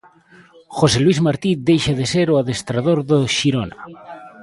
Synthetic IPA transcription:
xoselwizmaɾt̪id̪ejʃaðeseɾoaðest̪ɾaðoɾðoʃiɾona̰

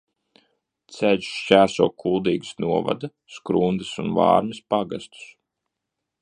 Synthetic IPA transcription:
t̪sɛʎt͡ʃæːsuɔkʰulˠd̪iːɡɨsnuɔva̰d̪a | skɾund̪ɨsunva̰ːɾmispaɡast̪u̥s

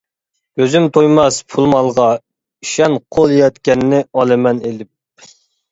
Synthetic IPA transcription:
øzymt̪ʰojmɑspʰulˠmɑlˠʁɑ | i̥ʃɛnqʰolˠjɑt̪kʲɛnːɪɑlˠɨmɛnelɪp̚

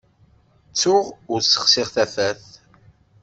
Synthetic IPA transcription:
t͡sːʊʁʊɾsə̥χsɪʁθæfæθ

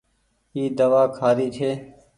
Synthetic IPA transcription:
iːd̪əʋaːkʰaːɾiːt͡ʃʰeː

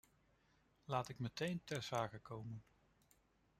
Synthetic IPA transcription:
laːtɪkmətejntɛɹz̥aːkəkowmən

